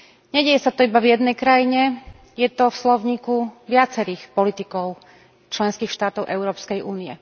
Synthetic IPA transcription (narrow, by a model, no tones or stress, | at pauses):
ɲɛɟɛjɛsat̪ɔibavjɛd̪nɛjkɾajiɲɛ | jɛt̪ɔfslɔʊɲiːkuʋɪat͡sɛɾiːxpɔlit̪ikɔʊ | t͡ʃlɛnskiːxʃt̪aːt̪ɔʊʔɛʊɾɔːpskɛjʔuːniɛ